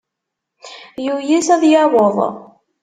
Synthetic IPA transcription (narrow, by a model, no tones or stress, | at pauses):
jujisæðjɑwoðˤ